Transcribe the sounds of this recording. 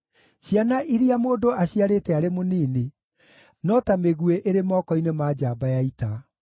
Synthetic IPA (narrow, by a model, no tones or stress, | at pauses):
ɕjanaʔiɾiamoːdoaɕiaɾeːtɛaɾemoniːne | nɔtameɣueʔeɾemɔkɔinemad͡ʑaːbajaita